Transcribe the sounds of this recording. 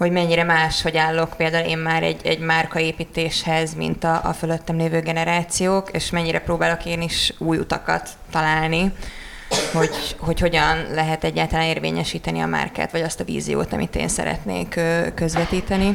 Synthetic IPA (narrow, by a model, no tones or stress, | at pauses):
ho̞ɟmɛɲːiɾɛmaːʃho̞ɟaːlːo̞kpeːld̪aːuleːmmaːɾɛ̰ɟːɛɟmarkɒeːpiːt̪eːʃhɛzmḭnt̪ɒ̰ːføløt̪ːɛmleːvøːɡɛnɛɾaːt̪sijoːkeːʃmɛɲːiɾʔɛproːbaːlo̞keːniʃuːjṵt̪ɒkɒ̰t̪ːɒlaːlni | ho̞ɟho̞cho̞ɟɒnlɛɦɛt̪ɛɟːaːlt̪ɒlaːneːrvḛːɲɛʃiːt̪ɛniɒ̰ma̰rka̰ːt̪ʋɒɟɒst̪ɒvḭːzḭjo̰ːt̪ɒ̰mḭt̪ḛːnsɛ̰ɾɛ̰t̪nḛːkːkːøzʋɛt̪iːt̪ɛni